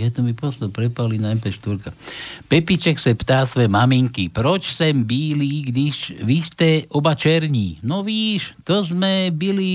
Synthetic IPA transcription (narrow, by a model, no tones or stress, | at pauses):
jɛt̪ɔmipɔst̪ɔpɾɛpalinajpɛʃt̪uɾkapɛpit͡ʃɛksɛpt̪aːsʋɛmamiŋkipɾɔt͡ʃsɛmbiːliɡd̪iʒʋist̪ɛɔbat͡ʃɛɾɲiːnɔʋiːʃt̪ɔzmɛbili